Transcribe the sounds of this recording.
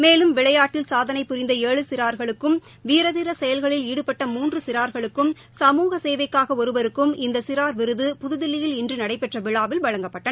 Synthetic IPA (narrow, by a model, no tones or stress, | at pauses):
meːlɯmʋɪɭɐjaːʈːɪlsaːðɐnɐɪpːʊɾɪnd̪ɐeːɭɯsɪɾaːɾɣɐɭɯkːɯm | ʋiːɾɐðɪɾɐsɛjɐlɣɐɭɪliːɽɯpɐʈːɐmuːndrɯsɪɾaːɾɣɐɭɯkːɯm | sɐmuːɣɐseːʋɐɪkːaːɣɐɔɾɯʋɐɾɯkːɯmɪnd̪ɐsɪɾaːɾʋɪɾɯðɯpʊðɯðɪlːɪjɪlɪndrɯnɐɽɐɪpɛʈrɐʋɪɭaːʋɪlʋɐɻɐŋɡɐpːɐʈːɐ